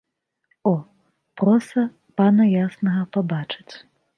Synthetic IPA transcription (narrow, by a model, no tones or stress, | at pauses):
ɔ | pɾɔsɐ | panɐjasnɐɣɐpabat͡ʂɨ̥t͡sʲ